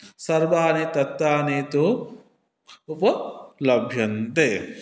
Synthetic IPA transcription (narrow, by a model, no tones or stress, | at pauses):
sɐɾʋaːneːt̪ɐt̪ːaːneːt̪u | upɐlɐbʱjɐnt̪eː